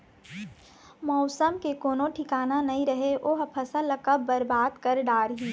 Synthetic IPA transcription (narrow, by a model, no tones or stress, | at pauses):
mɔʊsəmkekoːnõʈʰɪkaːnanɐɦĩɾəɦeʔoːɦpʰɐsəlːɐkəbːɐɾbaːd̪kɐɾɖaːɾɦiː